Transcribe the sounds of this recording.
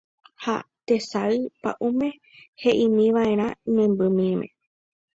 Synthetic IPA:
ha̰t̪e̞saɨpa̰ʔumẽ̞ | heʔĩmĩʋaẽ̞ɾ̃ãnẽmbɨmĩmḛ̃

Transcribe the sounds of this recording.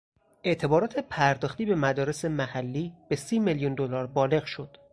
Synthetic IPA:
e̞ʔt̪ʰe̞bɒːɾɒːt̪ʰe̞pʰæɾd̪ɒːxt̪iːbe̞mæd̪ɒːɾe̞semæhælːiːb̥e̞siːmeljund̪olɒːɾbɒːle̞ɣʃo̞d̪̥

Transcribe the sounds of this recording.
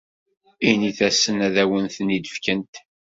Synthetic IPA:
iniθæsːənæðæwənθnid̪əfkənt̪

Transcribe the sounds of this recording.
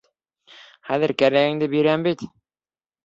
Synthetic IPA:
χæðɘɾkæɾæɡɘ̆ŋd̪ɘbiɾæmbit̪

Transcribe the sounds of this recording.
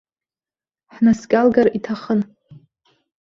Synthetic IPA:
ħnaskʲʼalɡaritʰaχən

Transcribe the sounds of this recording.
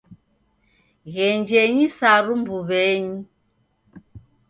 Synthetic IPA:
ɣɛnd͡ʒɛɲisaɾumbuβɛɲi

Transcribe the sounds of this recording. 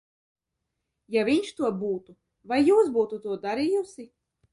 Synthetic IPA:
javʲiɲʃt̪uɔbuːt̪u | vajːuːsbuːt̪ut̪uɔd̪aɾijusi

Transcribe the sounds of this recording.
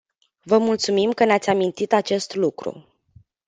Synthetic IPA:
vəmult̪sumimkəneat̪sʲamint̪it̪at͡ʃe̞st̪lukɾṵ

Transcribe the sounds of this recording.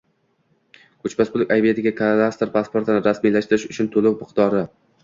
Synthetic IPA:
kʰɵt͡ʃbasbʊlˠɪkʲajbijat̪ʰɪɡʲakʰaast̪ɾpʰaspo̞ɾt̪ɪnɪɾasmijlaʃt̪ɪɾɪʃʊt͡ʃʰʊnt̪ʰʊlˠʊkmɪqt̪ɒɾɪ

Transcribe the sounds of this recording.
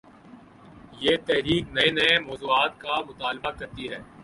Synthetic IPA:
jeːt̪ɛɦɾiːknɐenɐemɔːzuːaːt̪̚kamʊt̪aːlbakɐɾt̪iɦɛː

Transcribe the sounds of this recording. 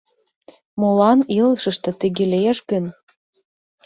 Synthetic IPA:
molˠɑnilɤʃə̆ʃt̪ɤ̆t̪ə̆ɡʲelʲejeʃɡə̆n

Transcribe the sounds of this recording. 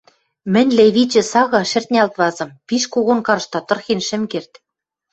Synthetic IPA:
mɘ̆nʲleβit͡ɕɘ̆sɑɣɑʃɘ̆rt̪ʲnʲælt̪βɑzɤ̆mpiʃkoɣonkɑrʃt̪ɑt̪ɤ̆rxenʃɘ̆mkert̪

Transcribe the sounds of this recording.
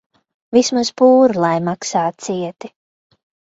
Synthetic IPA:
vismaspuːɾlˠajmaksaːt̪̚siɛt̪i

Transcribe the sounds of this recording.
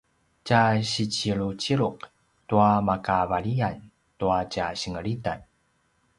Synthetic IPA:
caɕit͡ɕiɭut͡ɕiɭuq | tuamakavaɭian | tuacaɕəŋəɭida̰n

